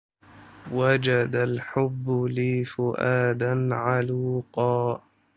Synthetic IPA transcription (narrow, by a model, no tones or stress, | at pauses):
wad͡ʒad̪alħʊbːʊliːfʊʔaːd̪anʕaluːqɑː